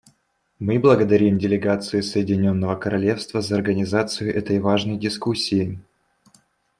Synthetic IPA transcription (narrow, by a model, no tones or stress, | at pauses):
mɨblˠəɡəd̪ɐɾʲimdʲɪlʲɪɡat̪sɨɪsəjɪdʲɪnʲo̞nːəvəkəɾɐlʲe̞fst̪vəzəɐrɡənʲɪzat̪sɨjʊʔɛt̪əjvaʐnəjdʲɪskusʲːɪɪ